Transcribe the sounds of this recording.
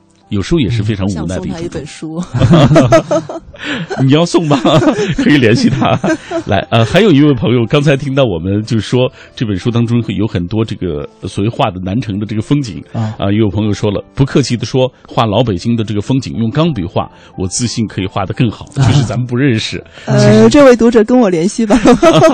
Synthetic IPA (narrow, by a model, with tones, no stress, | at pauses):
jo˨˩ʊʂɻ̩˧˥xjɛ˨˩ʂɻ̩˥˩fe˥ɪʈ͡ʂʰɑ˧˥ŋu˨˧˩na˥˩ɪd̪ə˧i˥ʈ͡ʂŋʈ͡ʂʊ̰˥˩ | ni˨˩jɑ˥˧ʊsʊ˥˩ŋbɐ˩kʰɤ˧˥i˨˩ljɛ˧˥nɕi˥˩t̪ʰa̰˥lʔa̰˧˥ɪʔə˧xa˧˥ɪjo˨˩ʊi˧˥we˥˩ɪpʰɤ˧˥ŋjo˧ʊkɑ˥ŋt͡sʰa˧˥ɪt̪ʰi˥ŋt̪ɑ˥˩ʊwɔ˨˩mə˦nt͡ɕjo˥˧ʂ̩˥˩ʂwɔ˥ | ʈ͡ʂɤ˥˩pə˨˩nʂu˥t̪ɑ˥ŋʈ͡ʂʊ˥ŋ˧˩jo˧˥ʊxə˨˩nt̪wɔ˥ʈ͡ʂɤ˥˩ɡə̰˩swɔ˨˩we˥˧ɪxwa˥˩d̪ə˩na˧˥nʈ͡ʂʰɤ˧˥ŋd̪ə˧ʈ͡ʂɤ˥˩ɡə˩fɤ˥ŋt͡ɕḭ˨˩˦ŋə̰˧˩jo˧˥jo˨˩ɤ˧˥ŋjo˨˧ʊʂwɔ˥lə̰˨pu˧˥kʰɤ˥˧t͡ɕʰi˥˩d̪ə˩ʂwɔ˥xwa˥˩lɑ˧˥ʊp̬e˨˩ɪt͡ɕi˥ŋd̪ə˨˧ʈ͡ʂɤ˥˩ɡə˩fɤ˥ŋt͡ɕḭ˨˩ŋjʊ˥˩ŋkɑ˥ŋpi˨˩xwa̰˥˩ | wɔ˨˩t͡sɹ̩˥˧ɕi˥˩nkʰɤ˧˥i˨˩xwa˥˩d̪ə˩kɤ˥˩ŋxɑ˨˩˦ʊt͡ɕjo˥˧ʊʂɻ̩˥˩t͡sa˧˥mə˨np̬u˧˥ɻə˥˩nʂɻ̩˨˩ə˥˧ʈ͡ʂɤ˥˧we˥˩ɪt̪u˧˥ʈ͡ʂɤ˨˩kə˥nwɔ˨˩ljɛ˧˥nɕi˥˩bɐ˩